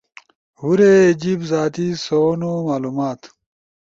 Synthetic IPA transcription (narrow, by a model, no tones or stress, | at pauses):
huɾeːd͡ʑibzaːt̪isoːnomaːluːmaːt̪